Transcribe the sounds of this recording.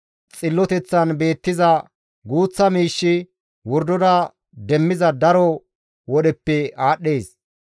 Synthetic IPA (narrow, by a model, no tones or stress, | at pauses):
t͡sʼɪlːɔt̪ɛt͡sːɐnbe̞ːt̪ːɪzɐ | ɡuːt͡sːɐmiːʃːɪ | wɔɾd̪ɔd̪ɐ | d̪ɛmːɪzɐd̪ɐɾɔ | wɔɗɛpːɛaːɗːeːs